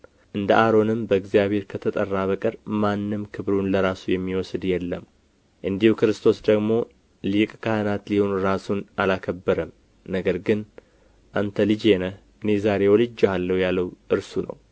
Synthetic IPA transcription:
ʔɨnd̪əʔaɾo̞nɨmbəɨɡzijaβʱhe̞ɾkʰət̪ʰət̪ʼərːaβəkʼɨɾmanːɨmkʰɨβɾunləɾasujɛmːiwɔsd̪jɛlːəm | ʔɨnd̪ihukɨɾɨst̪ʰo̞sd̪əɡmo̞ | likʼkʰahɨnat̪liho̞nɾasunʔalakʰəbːəɾəm | nəɡəɾɡɨn | ʔant̪ʰəlɨd͡ʒenə | ɨnezaɾe̞wolɨd͡ʒːalːəhwjalːəwʔɨɾsunə̰w

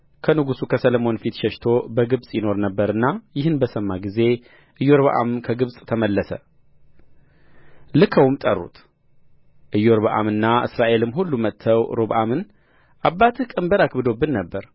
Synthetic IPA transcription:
kʰənɨɡusukʰəsələmo̞nfit̪ʃɛʃt̪ʰo̞bəɡɨβsʼjɪno̞ɾnəbːəɾɨnːajɪhɨnbəsəmːaɡize̞ | ʔɨjːo̞ɾβəʔa̰mkʰəɡɨβsʼt̪ʰəməlːəsə̰ | lɨkʰəwmt̪ʼərːṵt̪ʰ | ʔɨjːoɾβəʔa̰mɨnːaʔɨ̰sɾaʔe̞lɨmːɦulːumət̪ʰːəwɾoβʔamɨn | ʔabːat̪ʰkʼəmbəɾakbɨd̪o̞bːɨnːəbːəɾ

